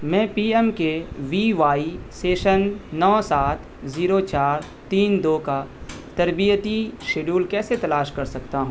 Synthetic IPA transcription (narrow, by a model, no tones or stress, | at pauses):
mɛ̃ːpiːɛmkeʋiːʋaːiseːʃənːɔːsaːt̪ʰ | ziːɾot͡ʃaːɾ | t̪iːnd̪oːka | t̪ɐɾbijət̪iʃeːɖuːlkɛːset̪ɐlaːʃkɐɾsɐkt̪aɦũː